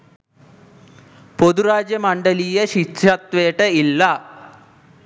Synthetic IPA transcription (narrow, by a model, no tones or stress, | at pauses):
pod̪uɾaːd͡ʑjɐmɐɳɖɐlijɐɕit͡ʃɐt̪ʋeːʈɐilːɐ